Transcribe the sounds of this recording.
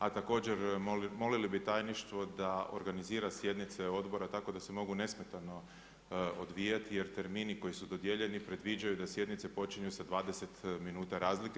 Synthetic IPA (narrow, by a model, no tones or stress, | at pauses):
at̪ako̞ːd͡ʑeɾmo̞lilibit̪ajniʃt̪ʋo̞d̪ao̞̰ɾɡaniziːɾasje̞d̪nit̪se̞o̞d̪bo̞ɾat̪ako̞d̪ase̞mo̞ɡune̞smet̪ano̞ | od̪ʋijat̪ije̞ɾt̪e̞ɾmiːniko̞jisud̪o̞d̪jeʎe̞nipɾe̞d̪ʋid͡ʒajud̪asje̞d̪nit̪se̞po̞t͡ʃiɲusad̪ʋaːd̪ese̞t̪minuːt̪aɾaːzlike